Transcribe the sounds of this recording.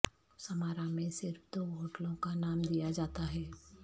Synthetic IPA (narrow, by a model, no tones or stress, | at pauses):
sɐmaːɾãmẽsɪɾfd̪oːɦoːʈlõkanaːmd̪ijad͡ʒaːt̪aɦɛː